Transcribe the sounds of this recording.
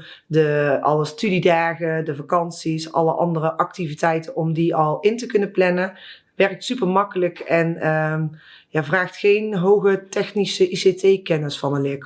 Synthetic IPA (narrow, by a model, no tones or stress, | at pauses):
dəʔɑləstydidaːɣədəvakɑnsisɑ̰lˠəʔɑ̰ndərəʔɑk̚tivitɛjtənɔmdiɑlˠɪntəkɵnəplɛnə | ʋɛrk̚tsypəɹmɑkələkɛnə | jaːvraːxtxejnɦowɣətɛxnisəʔisetejkɛnəsfɑnənlɪk